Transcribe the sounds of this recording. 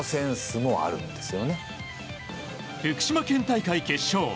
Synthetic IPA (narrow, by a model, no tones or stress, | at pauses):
sẽ̞ɰ̃sɨmo̞a̰ɾɯ̟̰̃nd̪e̞sɨjo̞ne̞ | ɾʲɯkɯ̟̥ɕimakẽ̞nt̪aikaike̞ɕoː